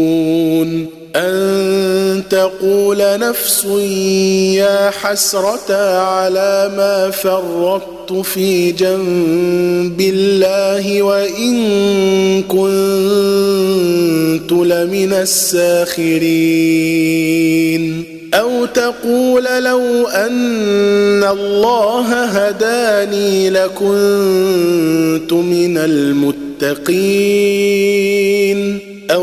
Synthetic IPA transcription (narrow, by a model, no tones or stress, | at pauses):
n | ʔann | t̪aquːlanafsʊ | jaːħasɾˤɑt̪aʕalaːmaːfɑrˤːɑd̪t̪ʊfiːd͡ʒam | bɪlːaːɦɪwaʔɪŋ | kʊn | t̪ʊlamɪnasːaːxɪɾiː | n | ʔawt̪aquːllawʔanː | alˤːɑːɦaɦad̪aːniːlakʊn | t̪ʊmɪnalmʊt̪ːɑqiː | n | ʔa